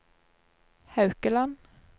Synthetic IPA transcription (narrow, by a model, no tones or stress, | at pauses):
hɑʉkəlan